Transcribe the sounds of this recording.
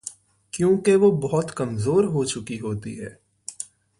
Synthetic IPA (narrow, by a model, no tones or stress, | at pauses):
kjõːkeʋobɔɦʊt̪kɐmzoːɾɦot͡ʃʊkiɦoːt̪ḭɦɛ̰ː